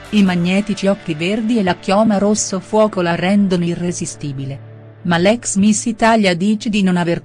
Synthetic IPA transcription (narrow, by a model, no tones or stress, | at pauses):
imaɲːɛːt̪it͡ʃiɔkːiverd̪ielːakjɔːmaɾosːofwɔːkolarːɛnd̪onoirezist̪iːbile | malɛksmisit̪aʎːad̪iːt͡ʃed̪inonaver